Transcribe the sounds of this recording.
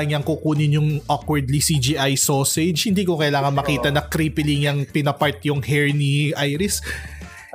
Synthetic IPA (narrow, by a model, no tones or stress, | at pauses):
ŋjaŋkuʔkuːnɪnjʊŋʔokwɛɹd̪lisid͡ʒiʔajsosɛd͡ʒhɪnd̪iːkokɐjlaːŋɐnmɐkiːt̪ɐnɐkɾipɪliŋɐŋpɪnɐpɐɹt̪̚jʊŋhɛɹniʔajɾɪs